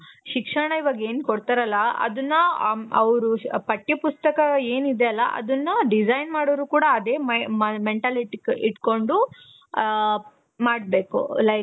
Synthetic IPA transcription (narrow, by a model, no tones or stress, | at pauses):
ʃikʂɐɳɐiʋɐːɡeːnkoɽt̪aɾɐlːɐɐ̰d̪ɐnːɐɐʋɾupɐʈjɐpust̪ɐkɐe̞ːnid̪eɐlːɐʔɐ̰d̪ɐnːɐɖid͡ʒɐjnmaːɽoːɾuːkuːɽɐːd̪e̞ːmmeɳʈaːliʈikiʈko̞ɳɖu | maːɽbe̞ːkṵlɐj